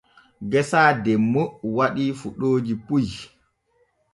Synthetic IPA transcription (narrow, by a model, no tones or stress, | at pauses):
ɡɛsaːdɛmːowaɗifuɗoːd͡ʒipuj